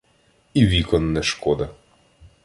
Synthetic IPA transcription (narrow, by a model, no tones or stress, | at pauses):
iʋʲikɔnːɛʃkɔd̪ɐ